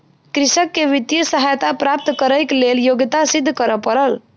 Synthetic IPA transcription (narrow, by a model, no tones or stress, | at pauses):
kɾisəkːeʋit̪jəsəɦajt̪apɾap̚t̪kəɾəjkleljoɡt̪asid̪ʱːkəɾəpəɾəl